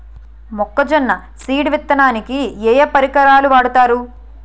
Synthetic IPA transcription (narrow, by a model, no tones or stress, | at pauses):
mɔkːɐd͡ʒɐnːɐ | siːɽʋit̪ːɐnaːnikiɛːjɐpɐɾikɐɾaːluʋaːɽut̪aːɾu